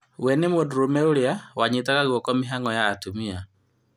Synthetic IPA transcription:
wɛnemoduɾomɛoɾeawaɲetaɣaɣwɔkɔmiɦaŋɔjaːtumia

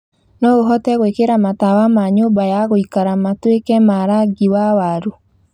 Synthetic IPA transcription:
nɔɣoɦɔtɛɣwekeɾamatawamaɲoːbajaɣoikaɾamatwekɛmaɾaɡiwawaɾu

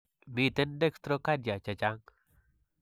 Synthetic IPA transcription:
miːt̪ɐnɖekst̪ɾokaɾd͡ʒat͡ʃɐt͡ʃaːŋ

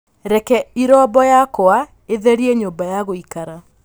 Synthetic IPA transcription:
ɾɛkɛiɾɔbɔjakoa | eðɛɾiɛɲoːmbajaɣoikaɾa

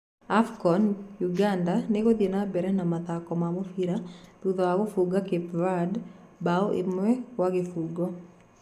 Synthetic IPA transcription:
afkɔnjuɡandanekoðienabɛɾɛnamat̪akɔmamɔfiɾatuðɔwaɣofuɡakepvad | baɔʔɪ̰mwɛwaɡefuɡɔ

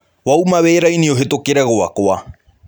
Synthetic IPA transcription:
wawmaβeːɾajnioɦetokeɾaɣoa̰koa

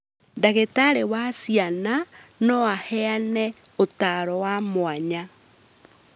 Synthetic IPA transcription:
daɣetaɾewasiananɔahɛanɛ | otaɾɔwamwaɲa

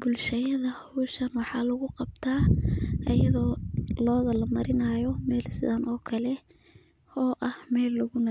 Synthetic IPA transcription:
bʊlʃɐjɐðɐhʊʃɐnwɑħɑːlɐɣʊqɑbt̪ʰaːʔɐjɐðɔːlɔːðɐlɐmɐɾɪnaːjɔmɛːlsɪðɐnʔɔːkʰɐlɛ | ɔːʔɐhmɛːlːɐɣʊnɐ

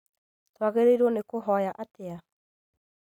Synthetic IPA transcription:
twaɣeɾeiɾwɔnekoɦɔjaʔatea

